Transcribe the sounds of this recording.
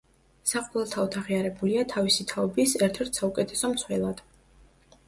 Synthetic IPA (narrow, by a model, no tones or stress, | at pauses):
saqʼɔlɛlˠt̪ʰavɔt̪ʰaʁiaɾɛbuliat̪ʰavisit̪ʰaɔbisɛɾt̪ʰɛɾt̪ʰsaukʼɛt̪ʰɛsɔmt̪sʰwɛlˠad̪̥